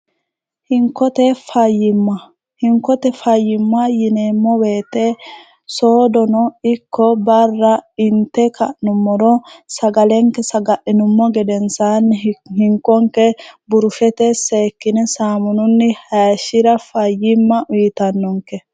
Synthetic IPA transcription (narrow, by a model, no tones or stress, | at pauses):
hɪŋkːɔt̪ɛfɐjːɪmːɐ | hɪŋkːɔt̪ɛfɐjːɪmːajɪneːmːɔweːt̪ːe | so̞ːd̪ɔnɔɪkːɔbɐrːɐɪnt̪ːɛkɐʔnʊmːɔɾɔsɐɡɐlɛŋkːɛsɐɡɐʔɪnʊmːɔɡɛd̪ɛnsanːɪhɪŋkːɔŋkɛbʊɾʊfɛt̪ɛseːkːɪnɛsaːmʊnʊnːɪhɐjʃɪɾɐfɐjːɪmːɐʔʊjɪt̪ɐnːɔŋkɛ